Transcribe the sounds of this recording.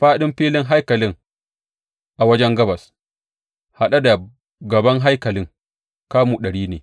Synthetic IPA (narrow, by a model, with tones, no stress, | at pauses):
ɸaː˦ɗɪ˦mɸiː˦lɪ˦ŋɦa˦jkɐ˨lɪ˦ŋ | ʔa˨wɐ˦d͡ʒɛ˦ŋɡɐ˦bɐ˨s | ha˨ɗa˦da˨ | ɡɐ˨bɐ˦ŋɦa˦jkɐ˨lɪ˦ŋ | kaː˦mu˨ɗɐ˨ɽiː˦neː˨